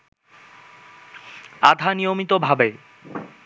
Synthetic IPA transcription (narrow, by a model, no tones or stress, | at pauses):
ad̪ʱanijomit̪obʱabe